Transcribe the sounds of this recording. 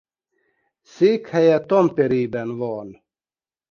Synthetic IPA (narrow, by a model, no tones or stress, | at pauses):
sikʰhajat̪ɔmpɛɾiːbɛnvɔːn